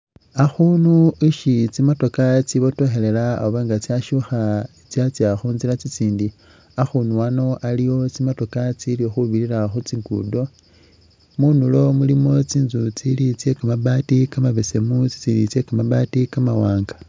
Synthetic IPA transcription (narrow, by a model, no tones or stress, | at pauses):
axunuiʃit͡simato̞kat͡siβo̞to̞xe̞le̞la̰ːoβaŋɡat͡siaʃuxait͡sjat͡sjaxuːnzilat͡sit͡siːndi | axunuano̞ʔalijo̞t͡simato̞kat͡silixuβiɾiɾaxut͡siŋɡṵdo̞ | munulo̞mulimo̞t͡siːnzut͡silit͡sje̞kamabaːtikamaβese̞mut͡si̥t͡siːndit͡se̞kamabaːtikamawaːŋɡḁ